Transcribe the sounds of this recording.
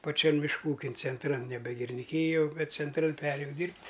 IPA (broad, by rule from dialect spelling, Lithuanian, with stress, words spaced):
pɐˈt͡ʃʲɛn mʲɪʃˈkuː ˈuːkʲɪn t͡sʲɛnˈtrɐn ˈnʲæːbʲɛ ɡʲɪrʲɪnʲɪˈkʲiːjoː ˈbʲɛt t͡sʲɛnˈtrɐn ˈpʲæːrʲeːjɛʊ ˈdʲiːrʲpʲtʲ